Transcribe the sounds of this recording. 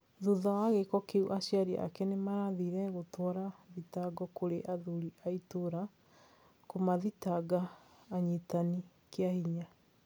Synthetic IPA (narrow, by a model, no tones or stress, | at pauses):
ðuðaaɣekɔkeuʔaɕiaɾia̰a̰kɛnemaɾaðiɾɛɣotwɔɾaðitaɡɔkoɾeʔaðuɾiaitoɾa | komaðitaɡaːɲitani | keahiɲa